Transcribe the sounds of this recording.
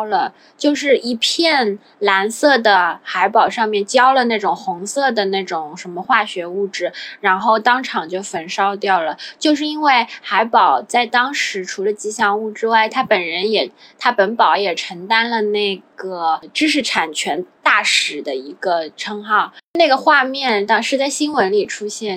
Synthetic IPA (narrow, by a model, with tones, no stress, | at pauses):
lə˨ | t͡ɕjo˥˧ʊʂɻ̩˥˩i˧˥˩pʰjɛ˥˩n | la˧˥nsɤ˥˩d̪ə˩xa˧˥ɪpɑ˨˩ʊʂɑ˥˧ŋmjɛ˥˧nt͡ɕjɑ˥ʊlə˨na˥˩ɪʈ͡ʂʊ˨˩ŋxʊ˧˥ŋsɤ˥˩d̪ə˩ne˥˩ɪʈ͡ʂʊ˨˩ŋʂə˧˥nmə˧xwa˥˩ɕɥɛ˧˥u˥˩ʈ͡ʂɻ̩˥˩ɻa˧˥nxo˥˩ʊt̪ɑ˥ŋʈ͡ʂʰɑ˨˩ŋt͡ɕjo˥˩ʊfə˧˥nʂɑ˥ʊt̪jɑ˥˩ʊlə˩t͡ɕjo˥˧ʊʂ̬ɻ̩˥˧i˥nwe˥˩ɪxa˧˥ɪpɑ˨˩ʊt͡sa˥˩ɪt̪ɑ˥ŋʂɻ̩˧˥ʈ͡ʂʰu˧˥lə˧t͡ɕi˥˩ɕjɑ˥˧ŋu˥˩ʈ͡ʂɻ̩˥wa˥˩ɪt̪ʰa˥pə˨˩nɻə˧˥njɛ˨˩t̪ʰa˥pə˧˥npɑ˧˥ʊjɛ˨˩ʈ͡ʂʰə˧˥ŋt̪a˥nlə˨ne˥˩ɪɡə˩ʈ͡ʂɻ̩˥ʂ̬ɻ̩˥˩ʈ͡ʂʰa˨˩nt͡ɕʰɥɛ˧˥nt̪a˥˩ʂɻ̩˨˩d̪ə˦i˧˥ɡə˧ʈ͡ʂʰɤ˥ŋxɑ˥˩ʊna˥˩ɡə˩xwa˥˧mjɛ˥˩nt̪ɑ˥ʂɻ̩˥˧t͡sa˥˩ɪɕi˥nwə˧˥nli˨˩ʈ͡ʂʰu˥ɕjɛ˥˩n